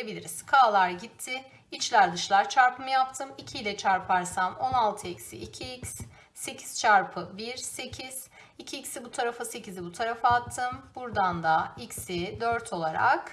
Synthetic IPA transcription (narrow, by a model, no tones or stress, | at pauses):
ebilʲiɾiz̥kʰaːlˠaɾɟit̪ʰːɪ | it͡ʃlʲæɾd̪ɯʃlˠaɾt͡ʃʰaɾpʰɯmɯjap̚t̪ʰɯmicʰijlʲɛt͡ʃʰaɾpʰaɾsamo̞nalˠt̪ʰɯɛcsḭʔicʰiics | se̞cʰi̥z̥t͡ʃʰaɾpʰɯbiɾse̞cʰiz̥ | icʰiːcsibut̪ʰaɾafɯse̞cizibut̪ʰaɾafaat̪ʰːɯmbuɾd̪and̪aicsid̪øɾt̪ʰo̞lˠaɾa̰k